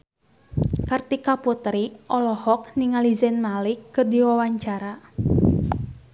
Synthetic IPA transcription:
kart̪ikaput̪ɾiʔɔlɔhɔk̚niŋalizɛnmalɪkːərdiwawaɲt͡ʃaɾa

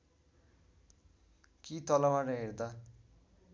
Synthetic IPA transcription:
kit̪ʌlʌbaɾʌɦeɾd̪a

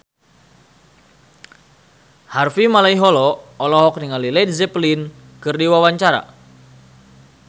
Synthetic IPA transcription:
harfimalaiɦɔlɔːlɔɦɔk̚niŋalilɛdzɛplin | kɨrdiwawaɲt͡ʃaɾa̰

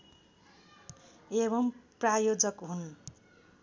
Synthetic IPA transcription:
eβʌmprajod͡zʌkɦun

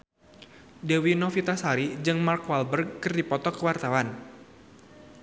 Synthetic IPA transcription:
dewinɔfit̪asaɾid͡ʒɨŋmarkwalbərkərdipɔt̪ɔkəwart̪awan

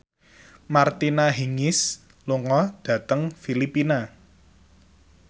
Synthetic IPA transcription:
mart̪inaɦiŋɪs | luŋɔd̥ä̤t̪əŋfilipina

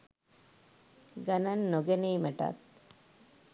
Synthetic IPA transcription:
ɡananːoɡeniːməʈa̰t̪̚

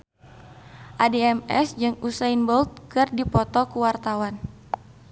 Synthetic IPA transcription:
ʔadeɛmɛ̰sd͡ʒɨŋusainbɔlt̪̚kɨrdipɔt̪ɔkuwart̪awan

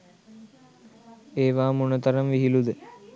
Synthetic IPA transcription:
eːʋaːmunət̪ɐɾɐmʋiɦilud̪ə

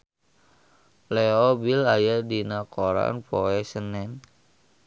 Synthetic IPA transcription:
lɛɔbilajadinakoɾa̰npoɛsənɛn

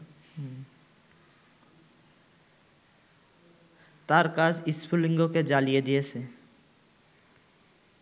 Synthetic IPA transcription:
t̪aːɾkaːsɪspʰulɪ̃ŋɡoked͡ʒaːlijed̪iese

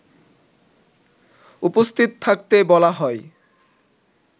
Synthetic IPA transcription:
upost̪ʰit̪ot̪ʰak̚t̪ebɔlaɦɔe

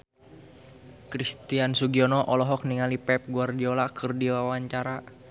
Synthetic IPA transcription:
kɾist̪iansuɡiɔnɔʔɔlɔɦɔk̚niŋalipɛp̚ɡuardiolakʰɨrdiwawaɲt͡ʃaɾa

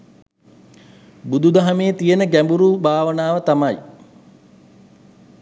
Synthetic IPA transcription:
bud̪ud̪aɦameːt̪ijənəɡæmbuɾuːbaːʋənaːʋət̪amɐj

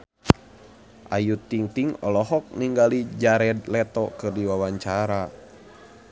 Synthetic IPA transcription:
ʔajut̪iŋt̪iŋɔlɔɦɔk̚niŋɡalid͡ʒaɾɛdlɛt̪ɔkɨrdiwawaɲt͡ʃaɾa

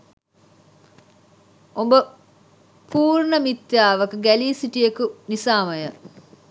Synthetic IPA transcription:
ombə | pʰuːɾnəmit̪jaːʋɐkuɡæliːsiʈijekunisaːməjə

